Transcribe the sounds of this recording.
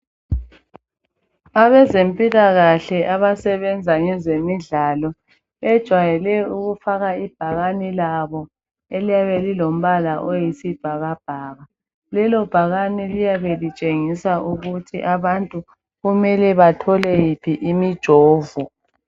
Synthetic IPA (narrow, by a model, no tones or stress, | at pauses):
aβɛzempʼilaɣaɬɛʔaβasɛβɛnd͡zʱaŋɛzemiɮalɔ | ɛd̥ʒ̥ʱwajɛlɛuɣufaɣaib̥ʱaɣanilaβɔ | elijaβelilom̩βalaʔojisib̥ʱaɣab̥ʱaːɣa | lɛlɔb̥ʱaɣanilijaβelit͡ʃʼeŋisaʔuɣutʰḭʔaβantʼu | ɣumɛlɛβatʰɔlɛjipʰiʔimid̥ʒ̥ʱoːvu